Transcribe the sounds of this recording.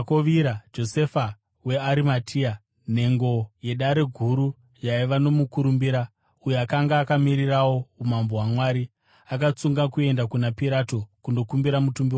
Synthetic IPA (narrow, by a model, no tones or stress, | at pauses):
koʋiɾad͡ʒo̞sefa | we̞aɾimatʰia | ne̞ŋɡo̞je̞ɗaɾe̞ɡʱuɾu | jaiʋano̞mukuɾumbiɾa | ujoakaŋɡaːkamiɾirawo̞umambowamwaːɾi | ak̬at͡suŋɡakue̞ndakunapiɾatokundo̞kumbiɾamutumbio